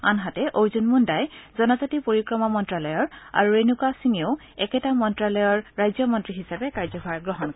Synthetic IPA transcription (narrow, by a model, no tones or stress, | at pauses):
anɦatɛʔowzunmundajzɔnɔzatipoɹikɹɔmɔmɔntɹalɔjɔɹa̰ɹuɹenukasiŋiʊ | ɛkɛtamɔntɹalɔjɔɹːajzjɔmɔntɹiɦisabɛkaɹzɔbʱaɹɡɹɔɦɔnkɔ